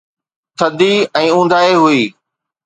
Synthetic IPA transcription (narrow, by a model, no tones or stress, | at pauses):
t̪ʰɐd̪iɛ̃ːũːnd̪aːeɦʊiː